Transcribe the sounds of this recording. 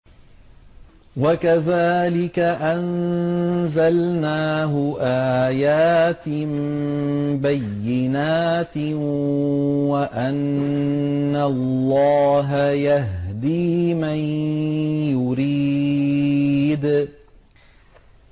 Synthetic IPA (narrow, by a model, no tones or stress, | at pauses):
wakaðaːlɪkaʔan | zalnaːɦʊʔaːjaːt̪ɪm | bajːɪnaːt̪ | waʔanː | alːɑːɦajaɦd̪iːman | jʊɾiː | d̪